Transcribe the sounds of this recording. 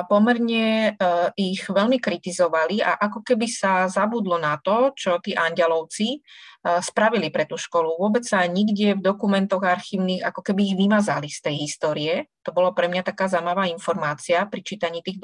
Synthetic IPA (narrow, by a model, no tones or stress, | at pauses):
pɔmɛɾɲɛ | iɣʋɛʎmikɾit̪izɔʋalia̰ʔakɔkɛbisazabud̪lɔnat̪ɔt͡ʃɔt̪iːʔaɲɟɛlɔʊt͡si | spɾaʋilipɾɛt̪uːʃkɔluʋʊɔbɛt͡ssaɲiɡɟɪɛvd̪ɔkumɛnt̪ɔɣaɾxiːʊniːɣa̰kɔkɛbiːɣʋimazalist̪ɛjɦist̪ɔːɾiɛt̪ɔbɔlapɾɛmɲat̪akaːzamaʋaːinfɔɾmaːt͡siapɾit͡ʃiːt̪aɲiːt̪iːɣ